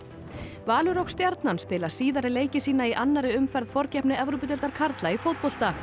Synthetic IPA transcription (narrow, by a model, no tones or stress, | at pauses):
vaːlʏɾowkst̪jaɾt̪nanspɪːlḁsiːðaɾɪleːjcɪsiːnaiʔanːaɾɪʏmfɛɾð̥fɔɾcɛhpnɪʔɛvɾowp̬ʏt̪ɛlt̪aɾ̥kʰaɾt̪laifowt̪̚pol̥t̪a